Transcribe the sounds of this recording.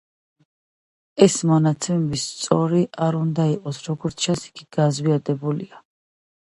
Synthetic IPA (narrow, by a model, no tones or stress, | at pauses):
ɛsmɔnat̪sʰɛmɛbist̪sʼɔɾiʔaɾund̪aiqʼɔsɾɔɡɔɾt̪sʰt͡ʃʰansi̥ɡ̥iɡ̥azviad̪ɛbulḭa